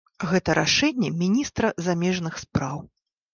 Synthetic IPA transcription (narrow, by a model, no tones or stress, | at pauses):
ɣɛt̪ɐɾaʂɛnʲːɛmʲinʲist̪ɾɐzamʲɛʐnɨxspɾaw